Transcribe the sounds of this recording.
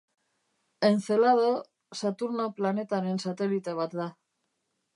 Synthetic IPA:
enθelað̞o | sat̪uɾnoplane̞t̪anensat̪e̞lit̪e̞β̞at̪d̪a

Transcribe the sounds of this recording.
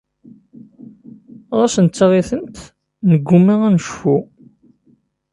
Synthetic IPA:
ʁæsənt͡sːʁiθənt̪ | nəɡʷːumːiʁænʃfu

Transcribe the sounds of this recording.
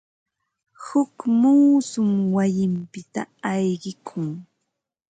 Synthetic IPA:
hʊkmuːsʊmwajɪmpɪt̪a̰ɑjɢɪkʰʊŋ

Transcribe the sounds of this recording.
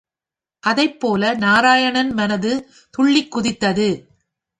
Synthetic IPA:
ʔɐðɐɪpːoːlɐnaːɾaːjɐɳɐnmɐnɐðɯ | t̪ʊɭːɪkːʊðɪt̪ːɐðɯ

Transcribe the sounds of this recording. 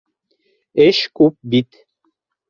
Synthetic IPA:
eʃkup̚bit̪

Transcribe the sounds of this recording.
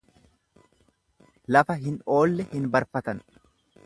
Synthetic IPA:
lɐfɐɦɪno̞ːlːɛhɪnbɐɾfɐt̪ɐn

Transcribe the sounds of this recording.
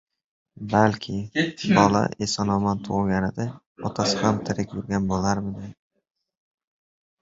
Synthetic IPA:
balkʲʰɪbɒla̰ʔesɒnɒmant̪ʰoʁlˠɡʲanɪd̪ɪ | ɒt̪ʰasɪhamt̪ʰɪɾɪkʲjʊɾɡʲanbolˠaɾmɪd̪ɪ

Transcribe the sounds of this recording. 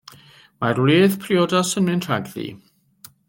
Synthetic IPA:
marwleːθpʰriɔdasənmɪntʰraɡðḭ

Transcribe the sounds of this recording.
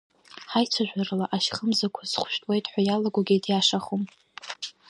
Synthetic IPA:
ħajt͡sʷʰaʒᶣʷarlaʔaʃχəmzakʷʰazχʷʊʃᶣtʼwe̞jtʼħʷajalaɡʷaɡʲedjaʂaχom

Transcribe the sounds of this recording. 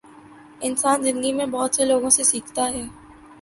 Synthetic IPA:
ɪnsaːnzɪ̃nd̪əɡimẽbɔːt̪seloːɡõsesiːkʰt̪aɦɛː

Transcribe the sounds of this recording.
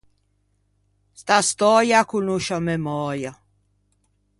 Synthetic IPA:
st̪ast̪ɔjakunuʃɔmɛmɔːja

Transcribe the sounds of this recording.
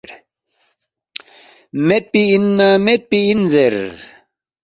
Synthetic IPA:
ɾ | met̪̚piinːamet̪̚piinzeɾ

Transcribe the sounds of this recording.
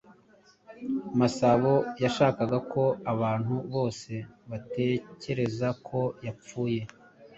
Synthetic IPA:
masaβo̞jaʃaːkaɡakʰo̞aβaːn̥huβo̞ːse̞βate̞ce̞ɾe̞zakʰo̞jap͡fuːje̞

